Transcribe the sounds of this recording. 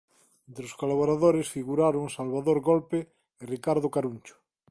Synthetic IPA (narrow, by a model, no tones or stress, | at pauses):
ent̪ɾoskolaβ̞oɾaðoɾesfiɣuɾaɾoŋsalβaðoɾɣolpeː | rikaɾðokaɾunt͡ʃʊ̥